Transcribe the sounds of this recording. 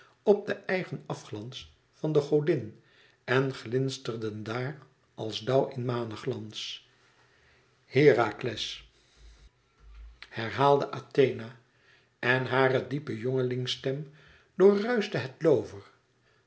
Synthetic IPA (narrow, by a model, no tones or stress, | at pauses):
ɔb̚dəʔɛjχənɑfχlɑns | fɑndəχowdɪn | ɛnχlɪnstərdəndaːr | ʔɑlˠzdʌwɪnmaːnəχlɑns | hɪːraklɛs | hɛɹɦaːlˠdəʔaːtejna | ɛnɦaːrədipəjoŋəlɪŋstɛm | d̥ʊːɹrœɥzdəɦɛtlowvəɹ